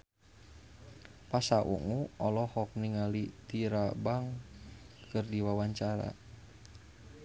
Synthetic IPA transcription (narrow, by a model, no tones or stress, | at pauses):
pasaʔṵŋuʔɔlɔhɔk̚niŋalit̪iɾabaŋ | kɨrdiwawaɲt͡ʃaɾa̰